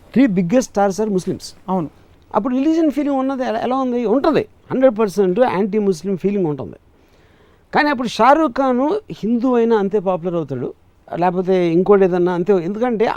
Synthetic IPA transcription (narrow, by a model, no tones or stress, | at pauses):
t̪ʰɾiːbiɡesʈːʈaːɾs̬aːɾmuslimsɐwnu | ɐ̰p̬ːuɽuɾiljuːd͡ʒɐnpʰiːliŋɡunːɐd̪iɛ̰laːund̪iuɳʈund̪ḭ | hɐɳɖɾeɖ̚p̬ɐɾseɳʈua̰ːɳʈiːmus̬limpʰiːliŋɡuɳʈṵnd̪ḭ | kaːniːɐpːuɽuʃaːɾukaːnuhind̪uːɐjnaɐnt̪̬e̞ːpaːp̬ulɐɾɐwut̪aːɽṵ | lɛːkɐp̬oːt̪e̞ːiŋkoːɽeːd̪ɐnːaɐnt̪eːend̪ukɐɳʈe̞ː